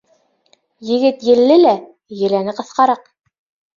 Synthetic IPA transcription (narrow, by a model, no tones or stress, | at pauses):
jɘ̆ɡɘt̪jɘ̆lːɘlæ | jɘ̆lænɘqɤ̆θqɑɾɑq